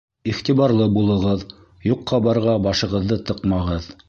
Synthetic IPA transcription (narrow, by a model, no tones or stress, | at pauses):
iχt̪iβɑɾlˠɤbulˠɤ̆ʁɤð | juqːɑbɑɾʁɑbɑʃɤ̆ʁɤ̆ðːɤt̪ɤqmɑʁɤð